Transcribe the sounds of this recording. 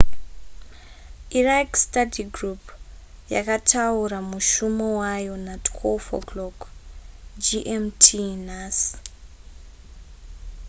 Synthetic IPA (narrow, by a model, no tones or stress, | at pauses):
iraikstadiɡrup | ja̰katʰauɾamuʃumowajo̞natʰwelfo̰klok | d͡ʒiʔemtʰinas